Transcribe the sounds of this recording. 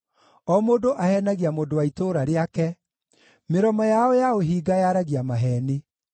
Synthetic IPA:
ɔmodoʔahɛnaɣiamoːndowaitoɾaɾeakɛ | meɾɔmɔjaɔjaoɦiːɡajaɾaɣiamaɦɛni

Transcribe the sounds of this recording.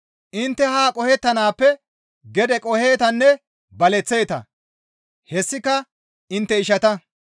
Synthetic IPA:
ʔɪnt̪ːɛhaːkʼɔhɛt̪ːɐnaːpːɛ | ɡɛd̪ɛkʼɔhe̞ːt̪ɐnːɛ | bɐlɛt͡sːe̞ːt̪ɐ̰ | hɛsːɪkɐ | ɪnt̪ːɛɪʃɐt̪ɐ

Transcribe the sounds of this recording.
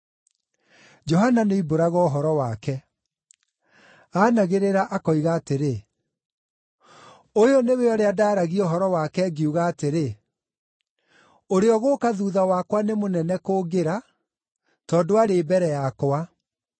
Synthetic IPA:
d͡ʒɔɦananeiboɾaɣɔːɦɔɾɔwakɛ | aːnaɣeɾeɾaʔakɔiɣaːteɾe | ojoneweɔɾeadaːɾaɣiɔɦɔɾɔwakɛɡiuɣaːteɾe | oɾeɔɣokaðuːðawakwanemonɛnɛkoːɡeɾa | tɔːdoaɾeːbɛɾɛjakowa

